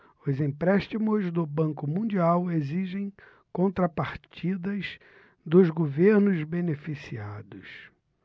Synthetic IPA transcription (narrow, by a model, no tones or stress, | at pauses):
ʊzĩpɾɛʃt͡ʃimʊzd̪ʊbɐ̃ŋkʊmũd͡ʒiaweziʒẽj̃ | kõnt̪ɾɐpaɾt͡ʃid̪ɐz | d̪ʊzɡoveɾnʊzbenefisiad̪ʊs